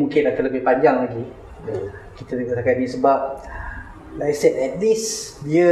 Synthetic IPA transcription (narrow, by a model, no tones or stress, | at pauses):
mũŋkɪnlakələbɪhpaɲd͡ʒaŋlaɡi | kit̪ad̪uɡaʔsakat̚isəbap̚ | ajsɛtɛt̚lisdiə